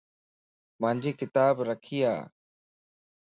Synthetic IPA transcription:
mə̃ːɲd͡ʑiːkɪt̪aːbɾəkʰiːa̰ː

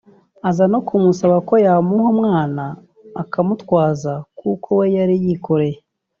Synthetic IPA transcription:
azano̞kumusaβako̞jamuhomŋaːnaː | kamutwaːzakukʰo̞we̞jaɾijiko̞ɾe̞je

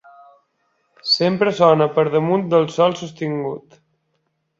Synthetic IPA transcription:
sempɾəsɔnəpəɾðəmund̪əlˠsɔlˠsust̪iŋɡṵt̪

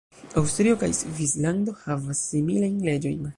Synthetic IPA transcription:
awstɾio̞ka̰jsvislando̞havasːimilajnle̞d͡ʒo̞̰jn

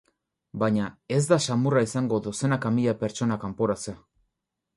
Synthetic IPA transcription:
baɲae̞zd̪asamuraisaŋɡoðuse̞nakamiʎape̞ɾt͡ʃo̞nakampoɾat͡sea

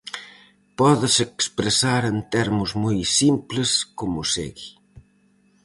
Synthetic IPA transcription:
pɔðəsekspɾəsaɾent̪ɛɾmuzmujsimpləskumusḛɣi

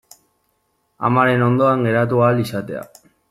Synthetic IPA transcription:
a̰maɾe̞no̞nd̪oaŋɡe̞ɾat̪̬uaːlisat̪e̞a̰

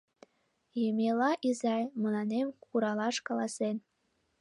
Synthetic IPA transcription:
jemʲelɑʔizɑjmɤ̆lˠɑnemkuɾɑlˠɑʃkɑlˠɑsen

